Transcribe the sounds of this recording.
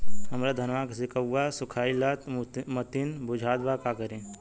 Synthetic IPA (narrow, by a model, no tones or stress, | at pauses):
ɦɐmɾad̪ʱɐnʋaːksɪkəwːasʊkʰaːilat̪mɐt̪ɪnbʊd͡ʒʱaːd̪bakakəɾẽː